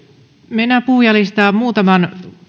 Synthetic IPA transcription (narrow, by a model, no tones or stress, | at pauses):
menːæpuhjɑlist̪ɑːmuːt̪ɑmɑn